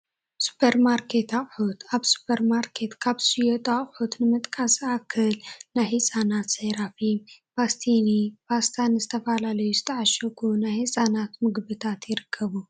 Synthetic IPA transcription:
su̥pʰeɾmaɾkʰe̞t̪aχʼħut̪ʰaβsu̥pʰɐɾmaɾkʰe̞t̪kʰaβsijot̪ʼaχʼħut̪nɨmɨt̪ʼkʼasʼakʰːɨlnajhɨsʼanat̪sɐjɾafibast̪ʰinibast̪ʰanɨzɨt̪ʰɐfalalɐjuzɨt̪ʰɐʕaʃɐkʰunajhɨsʼanat̪mɨɡbɨt̪ʰat̪jɪɾɨkʰːɐβu

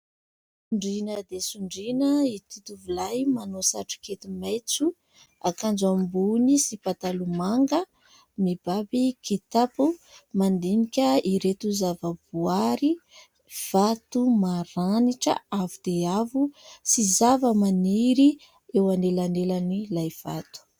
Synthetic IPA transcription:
uɳɖ͡ʐinəd̪esuɳɖ͡ʐinəit̪ut̪uvulajmanosaʈ͡ʂu̥ket̪imajt͡su | akand͡ʒambunisipat̪alumaŋɡə | mib̥abikʰit̪apumand̪inikʲəiɾet̪uzavəb̥uaɾi | v̥at̪umaɾaniʈ͡ʂə̰avud̪̥eavusizavəmaniɾi | ewanelanelanilajv̥at̪u̥

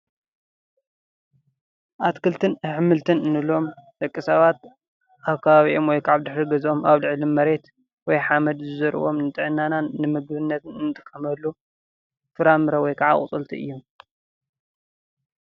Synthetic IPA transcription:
ʔat̪kʰɨlt̪ʰɨnħɨmːɨlt̪ʰɨnɨnɨlo̞mt̪ɐkʼːisɐβat̪ | ʔaβkʰɐβaβiʔo̞mwɔjkʰʕaβd̪ɨħɾiɡɐzo̞mʔaβlɨʕlimɐɾe̞t̪ | wɔjħamɐd̪zɨzɐɾʔɨ̰βo̞mnɨt̪ʼɨʕɨnːananɨmɨɡβɨnːɐt̪ɨnɨnːɨt̪ʼɨ̥kʰʼːɐmɐlːu | fɨɾamɨɾɐwɔjkʰaʕa̰kʼt͡sʼɨlt̪ʰiɨ̰jːum

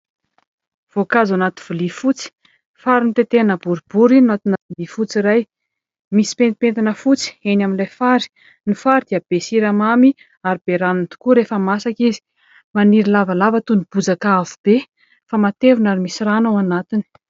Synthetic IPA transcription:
v̥okazanat̪i̥v̥ulifut͡si̥ | faɾinit̪et̪eanəbuɾib̥uɾianat̪inavulifut͡siɾaj | misi̥pent̪ipent̪inəfut͡si̥enaminlajfaɾi̥ | nifaɾid̪̥iab̥esiɾamami | aɾib̥eɾanunt̪u̥kuɾefəmasakizi̥ | maniɾilavalavət̪unib̥ud͡zakavub̥e | famat̪evunaɾimisiranawanat̪ini̥

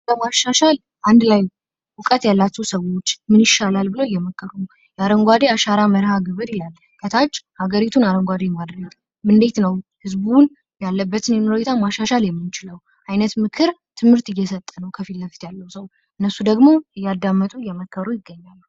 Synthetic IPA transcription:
ləmaʃːaʃal | ʔand̪laj | wʊkʼət̪jalːat͡ʃːɛwsəwo̞t͡ʃːmɨniʃːalalbɨləwɪjːɛməkːəɾunəw | jaɾəŋɡʷad̪eaʃaɾaməɾhaɡɨβɨɾilalː | kʰət̪ʰad͡ʒhaɡəɾit̪ʰunaɾəŋɡʷad̪emad̪ɾəɡ | mɨnd̪e̞t̪nəwhɨzbun | jalːəbːət̪ʰɨnjɛnoɾoet̪ʰamaʃːaʃaljɛmːɨnt͡ʃɪləw | ʔajnət̪mɨkʰɨɾt̪ʰɨmhɨɾt̪ɨjːɛsət̪ʼːənəwkʰəfilːəft̪ʰjalːəwsəw | ʔɨnːəsːud̪əɡmo̞ɨjːad̪ːamːət̪ʼujːɛməkʰːəɾujɪɡːəɲːalː

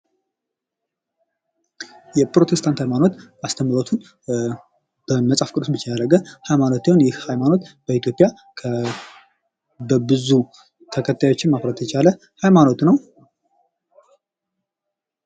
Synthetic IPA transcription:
jɛpɾo̞t̪ʰe̞st̪ʰant̪hajmano̞t̪ast̪ʰəmːɾot̪ʰun | b̥əməsʼafkʼɨɾsbɨt͡ʃːɛjaɾəɡəhajmano̞t̪jehonjɪhhajmano̞t̪b̥əit̪jo̞pʼja | kʰə | bəbɨzu | t̪ʰəkʰət̪ʰːajo̞t͡ʃːɪnmaβɾət̪ʰt͡ʃʰalə | hajmano̞t̪nəw

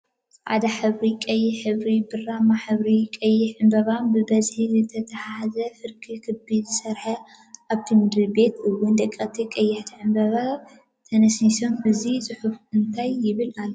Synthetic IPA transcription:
ʔa̰d̪aħɨβɾikʼɐjːɪħɨβɾibɨrːamaħɨβɾikʼɐjːɪʕɨmbɐβanbɨbɐzħizɨt̪ʰɐt̪ʰɐħahazɐfɨɾkʰikʰɨbizɨsɐɾħɐ | ʔaβt̪ʰimɨd̪ɾlbe̞t̪ɨwːʊnd̪ɐkʼːɐt̪ʰikʼɐjːɪħt̪ʰiʕɨmbɐβa | t̪ʰɐnɐsniso̞mɨzisʼɨħufɨnt̪ʰajːɪβɨlalː

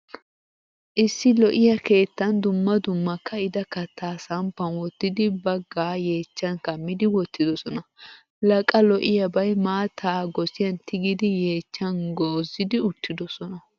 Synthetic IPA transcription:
ʔɪsːɪlɔʔɪjɐke̞ːt̪ːɐnd̪ʊmːɐd̪ʊmːɐkʰːɐɪd̪ɐkɐt̪ːaːsɐmpːɐnwɔt̪ːɪd̪ɪbɐɡːaːje̞ːt͡ʃːɐnkɐmːɪd̪ɪwɔt̪ːɪd̪ɔsɔnɐ | lɐkʼɐlɔʔɪjɐbɐjmaːt̪ʰaːɡɔsɪjɐnt̪ʰɪɡɪd̪ɪje̞ːt͡ʃːɐnɡoːzːɪd̪ɪʊt̪ːɪd̪ɔsɔnɐ

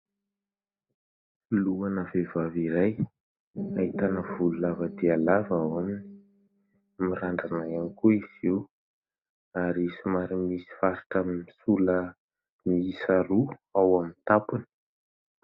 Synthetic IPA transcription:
filuanəvevaviɾaj | aɦit̪anəvululavəd̪ealavawamini̥ | miɾaɳɖ͡ʐanajanikuiz̥iw | aɾisimaɾimisi̥faɾiʈ͡ʂammisulə | miisaɾuawamint̪apuni̥

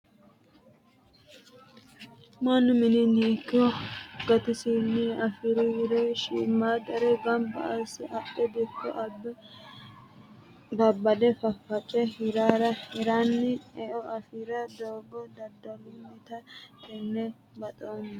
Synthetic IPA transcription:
manʊmɪnɪniːkːɔɡɐt̪ɪsinːɪɐfɪɾɪwɪɾeʃiːmːaːd̪ɐɾɛbɐmbɐɐsɐpʼːɛd̪ɪkːɔʔɐb | bɐbːɐd̪ɛfɐfːɐt͡ʃʼːɛhɪɾaːɾɐhɪɾanːɪɛʔɔɐfiɾɐd̪oːbɔd̪ɐd̪ɐlʊmɛt̪ɐkɛnːɛ | bɐt̪ʼoːn

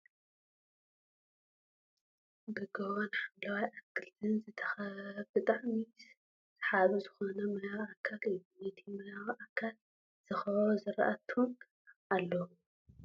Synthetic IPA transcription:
bɨɡɐwanħamlawajʔakʰːɨlt̪ʰɨnzɨt̪ʰɐ̥xɐbɨt̪ʼaʕmi | zħaβɨzɨxo̞nɐmɐjawakʰːalɨjːumɐt̪ʰimɐjawʔakʰːal | z̥ɨxɐβozɨɾɐ̰ʔɐt̪ʰun | ʔalːɐw

